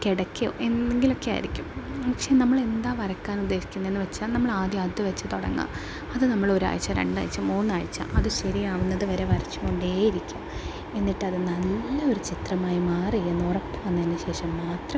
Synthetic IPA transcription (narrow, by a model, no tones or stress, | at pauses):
keɽɐkʲːijo̰ʔe̞neŋɡilo̞kːe̞ja̰ːjḭɾikʲːumɐkʂenɐmːɐɭe̞nd̪aːʋɐɾɐkːaːnud̪ːe̞ːɕi̥kʲːunːɐe̞nːɨʋet͡ɕːaːlnɐmːɐɭaːd̪jaːd̪jɐʋɐt͡ɕːɨ̥t̪oɽɐ̰ŋːa̰ | ɐðɨnɐmːɐɭo̞ɾua̰ːjt͡ɕːɐɾḛɳɖa̰ːjit͡ɕːɐmmuːnːaːɻit͡ɕːa̰ːmʔɐðɨɕɐɾijaːʋunːɐðɨʋɐɾeʋɐɾɐt͡ɕːumoɳɖeːjiɾikʲːum | e̞nːiʈːɐðɨnɐlːɐoɾut͡ɕit̪rɐmaːjimaːrienːurɐpːɐʋɐnːɐinːɨɕe̞ːʂɐmːaːt̪rɐ